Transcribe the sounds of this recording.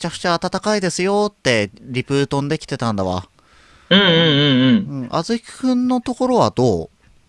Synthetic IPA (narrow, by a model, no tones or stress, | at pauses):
t͡ɕakɯ̟̥t͡ɕaːt̪at̪akaid̪e̞sɨjo̞t̪ːe̞ɾʲipɯ̟ːt̪õnd̪e̞kʲi̥t̪e̞t̪ãnd̪aβa̰ | ɯ̟̃ɴɯ̟̃ːɴɯ̟̃ɴɯ̟̃ɴɯ̟̃ɴʔa̰zɨkʲi̥hɯ̟̃nːo̞t̪o̞ko̞ɾo̞βa̰d̪o̞ː